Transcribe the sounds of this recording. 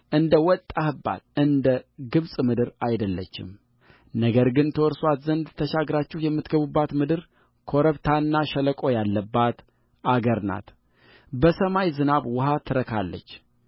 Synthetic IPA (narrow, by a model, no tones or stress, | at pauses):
ʔɨnd̪əwɔt̪ʼːahɨbːa̰d̪ɨnd̪əɡɨβsʼmɨd̪ɨɾajd̪əlːə̰t͡ʃːɪ̰m | nəɡəɾɡɨnt̪ʰəwɔɾswat̪zənd̪t̪ʰəʃaɡɾat͡ʃːɪhjɛmːɨt̪ɡəβubːat̪mɨd̪ɨɾ | kʰo̞ɾəβt̪ʰanːaʃələkʼo̞jalːəbːat̪ | aɡəɾna̰t̪ | bəsəmajzɨnaβwʊɦat̪ʰːɨɾəkʰa̰lːə̰t͡ʃː